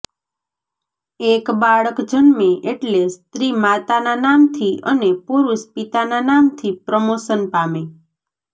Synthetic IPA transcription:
ekbaɭəkd͡ʒənmẽʔeʈlest̪ɾimat̪ananamt̪ʰiənepuɾuʃpit̪ananamt̪ʰipɾəmoʃənpame

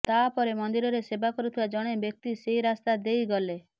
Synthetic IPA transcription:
t̪apɔɾemɔnd̪iɾɔɾesebakɔɾut̪ʰibad͡ʒɔɽ̃ebjɔk̚t̪iseiɾast̪ad̪ejɡɔle

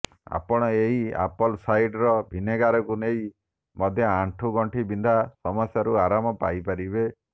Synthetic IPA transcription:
a̰pɔɽ̃ɔeɦia̰pɔlsajʈɾɔbʱineɡaɾɔkuneɦi | mɔd̪ʱjɔaɳʈʰuɡɔɳʈʰibind̪ʱasɔmɔsjaɾuaɾamɔpa̰jpaɾibe

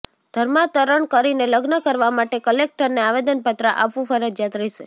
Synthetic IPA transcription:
d̪̥ʱəɾmat̪əɾəɳkəɾineləɡnəkəɾʋamaʈekəlek̚ʈəɾneaʋed̪ənpət̪ɾəʔapʋũfəɾəd͡ʒjat̪ɾəɦiʃe

